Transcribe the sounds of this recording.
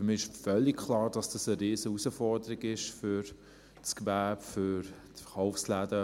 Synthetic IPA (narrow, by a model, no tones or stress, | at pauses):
ɾmiːɪʃfœlːikkʰlɑːɾd̥ɑsd̥ɑsəɾeːzəusəfɔɾdəɾiɡɪʃfʏɾ | t͡skbæːbfʏɾtfəχaʊfslædə